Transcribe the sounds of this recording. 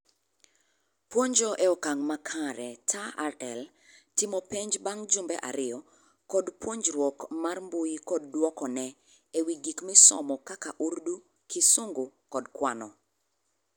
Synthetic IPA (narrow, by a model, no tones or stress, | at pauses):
pwoɲd͡ʒɔʔɛɔkaŋmakʰaɾɛtʰaarɛl | tɪmɔpeɲd͡ʒbaŋd͡ʒʊmbɛ̰ʔaɾɪjɔ | kɔdpwoɲd͡ʒɾwɔkmarmbʊjikɔdːwɔkɔnɛ | ewiɡikmɪsɔ̰mɔkakaʔurdu | kɪsʊŋɡʊkɔdkwanɔ